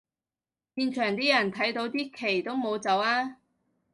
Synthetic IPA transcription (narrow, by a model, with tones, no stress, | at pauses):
piː˧nt͡ʃʰœː˨˩ŋt̪iː˥jɐ˨˩nt̪ʰɐ˨˥jt̪o˨˥wt̪iː˥kʰe˨˩jt̪o˥wmo˨˧wt͡sɐ˨˥waː˥